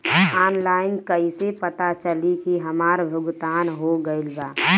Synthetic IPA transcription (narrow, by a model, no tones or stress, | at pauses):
aːnlaːɪnkəisepət̪at͡ʃəlikiɦəmaːɾbʱʊɡt̪aːnɦoɡəɪlbaː